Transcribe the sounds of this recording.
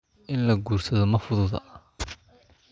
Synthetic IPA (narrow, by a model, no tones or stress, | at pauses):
ʔɪnlɐɡuːrsɐðɔmɐfʊðʊðɐ̰ʔ